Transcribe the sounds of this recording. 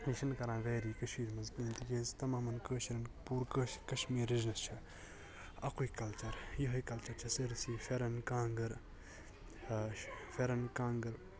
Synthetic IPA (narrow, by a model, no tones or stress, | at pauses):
iʃɐnkɐɾãːʋeːɾiːkɐʃiːɾmɐzkiːnt̪ikeːzt̪ɐmaːmɐnkəːʃiɾɐnpuːɾkəːʃkɐʃmiːɾiznɐst͡ʃʰɐ | ɐkuikɐlt͡ʃɐɾjɐɦɐkɐlt͡ʃɐɾt͡ʃʰɐsɨɾsiːfʰeɾɐnkãːŋɡɐɾ | feɾɐnkaːŋɡɐɾ